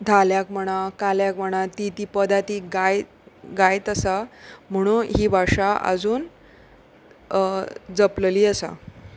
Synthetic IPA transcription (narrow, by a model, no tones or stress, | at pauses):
d̪ʱaljakm̤əɽ̃akaljakm̤əɽ̃at̪it̪iːpəd̪at̪iɡaj | ɡajt̪əsam̤əɽ̃uːɦiːbʱaʂaʔə̰d͡zuːn | d͡zəplliːəsa̰